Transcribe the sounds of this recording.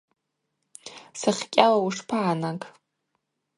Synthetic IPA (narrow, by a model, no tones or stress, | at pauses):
saχʲkʲʼalauʂpʰaʕːnakʼ